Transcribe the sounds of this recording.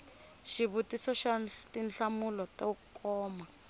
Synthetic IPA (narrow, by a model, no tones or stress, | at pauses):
ʃiβutisɔʃatinɬamulɔtaukɔːma